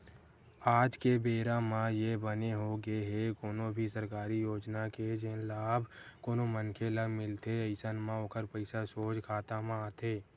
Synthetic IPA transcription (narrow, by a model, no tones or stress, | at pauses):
aːd͡ʒkebeːɾamãjebəneɦoɡəeɦɛkoːnobʱisəɾkaːɾijoːd͡ʒnaked͡ʒenlaːbkoːnomənkʰeləmɪlt̪eəɪsənmãoːkʰəɾpəɪsasoːd͡ʒkʰaːt̪amãaːt̪eː